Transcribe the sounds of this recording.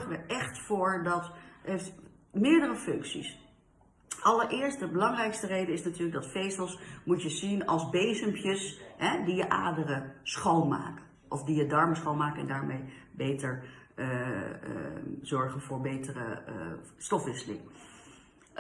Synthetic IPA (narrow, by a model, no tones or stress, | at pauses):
χənʋəʔɛχtfoːɹdɑteft | mɪːɹdərəfɵŋksḭs | ʔɑləɹʔɪːɹstdəbəlɑŋrɛjkstərejdəɪsnatyːɹləɡ̚dɑtfejstəlˠsmutjəzinɑ̰lˠzbejzəmpjəsɦɛdijəʔa̰ːdərəsχownma̰ːk | ʔɔfdijədɑɹməsχownmaːkɛ̰ndaːɹmejbejtəɹ | zɔɹχənvʊːɹbejtərə̰ | stɔfʋɪsəlɪ̰ŋ